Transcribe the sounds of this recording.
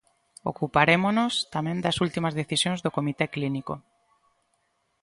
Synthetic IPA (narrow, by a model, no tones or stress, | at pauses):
o̰kupaɾemonost̪amɛ̃nd̪ɐsult̪imɐzðeθisjõŋzðokomit̪ekliniko